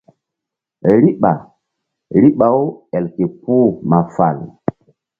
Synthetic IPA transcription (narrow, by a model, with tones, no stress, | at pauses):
ɾi˦ɓa˨ | ɾi˦ɓa˨wɛ˨lke˨pu˦ma˨fa̰˨l